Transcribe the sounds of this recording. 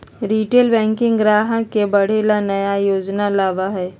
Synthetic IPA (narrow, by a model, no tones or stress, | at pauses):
ɾiːʈeːlbɛ̃ːŋkɪ̃ŋɡɡɾaːɦəkebɐɽ̤elanɐjajoːd͡ʒnalaːʋaɦɛː